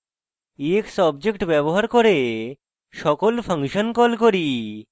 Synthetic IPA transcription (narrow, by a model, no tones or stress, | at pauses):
eksəbd͡ʑekʈbɛbɔɦaɾkɔɾe | ʃɔkɔlpʰəŋkʃənkɔlkɔɾi